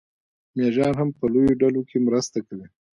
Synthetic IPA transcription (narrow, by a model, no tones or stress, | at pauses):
mjɑʒɑnhampəlojoɖalokʰemɾəst̪akawi